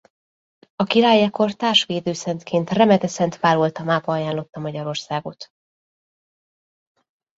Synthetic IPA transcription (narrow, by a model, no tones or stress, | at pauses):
ɒkiɾaːjɛko̞rt̪aːrʃʋeːd̪øːsɛnt̪kʰeːnt̪rɛmɛt̪ɛsɛnt̪ʋaːɾolt̪ɒmaːbɒɒjaːnlo̞t̪ːɒmɒɟɒɾo̞rsaːɡo̞t̪